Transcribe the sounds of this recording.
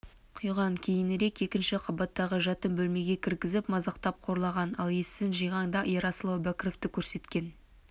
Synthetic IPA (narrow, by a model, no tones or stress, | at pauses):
qʰʊjʁɑŋkʲʰe̞jɪnɾe̞ke̞kʲɪnʃɪqʰɑbɑt̪ːɑʁəʒɑt̪əmbɵlme̞ɡʲe̞kʲʰɪɾkʲɪzɪpmɑzɑqt̪ɑp̚qʰo̞ɾlˠɑʁɑnɑlˠe̞sːɪnʒijʁɑŋd̪ɑʔijɾɑslˠowbækʲɪɾo̞ft̪ɪkʲʰɵɾse̞t̪kʲe̞n